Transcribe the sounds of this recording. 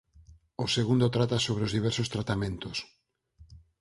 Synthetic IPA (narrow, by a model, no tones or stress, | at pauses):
oseɣund̪ot̪ɾat̪asoβ̞ɾeozðiβ̞ɛɾsost̪ɾat̪amẽnt̪os